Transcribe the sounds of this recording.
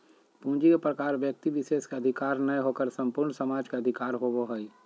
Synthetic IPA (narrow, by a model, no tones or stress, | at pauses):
pũːd͡ʒikepɾəkaːɾʋjək̚t̪iʋɪʃeːskeəd̪ʱɪkaːɾnəjɦokəɾsə̃mpʊɾɳsəmaːd͡ʒkeəd̪ʱɪkaːɾɦoʋoɦəi